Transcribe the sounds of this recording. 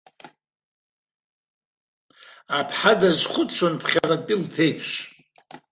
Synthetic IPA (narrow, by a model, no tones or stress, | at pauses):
apʰħadazʷχʷʊt͡ʃʷʰonpʰχʲarad̚pʼilpʰejpʰʃ